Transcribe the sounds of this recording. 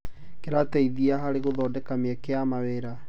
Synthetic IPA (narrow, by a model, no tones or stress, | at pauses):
keɾatɛiðiaɦaɾeɣoðɔdɛkameɛkeamaweɾa